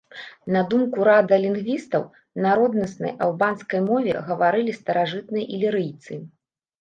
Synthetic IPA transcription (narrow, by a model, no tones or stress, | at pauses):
nɐd̪umkuɾad̪ɨlʲinɣvʲist̪ɐw | naɾɔd̪nɐsnɐ̰jʔa̰wbanskɐjmɔvʲɛ̰ɣɐvaɾɨlʲist̪ɐɾaʐɨt̪nɨjɐʔilʲiɾɨjt̪sɨ